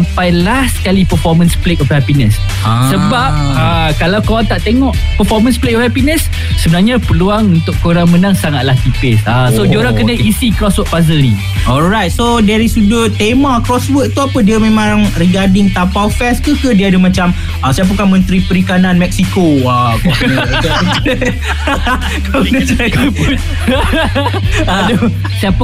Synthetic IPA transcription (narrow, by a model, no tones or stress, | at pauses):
ampajlaskalipəfɔmə̃nsplekɔfhɛpinəs | asəbap̚ə | kalawkoɾaŋt̪aʔt̪eŋɔʔpəfɔmə̃nsplek̚ɔfhɛpinəsː | əbənarɲapəluaŋunt̪ʊʔkoɾaŋmənaŋsaŋat̪̚lahk̪ipɪsasodoɾakənaisikɾɔswət̪̚pazəlni | ɔlɾajt̪̚sodɛɾisudət̪emãkɾɔswəʔ̚t̪uapədiəmẽmãŋriɡadɪŋt̪apawfɛskəkədiəadəmãt͡ʃam | asajap̬ukanmə̃nt̪ɾipəɾikananmɛk̚sikoakɔ | kalnət͡ʃakpu | do | saap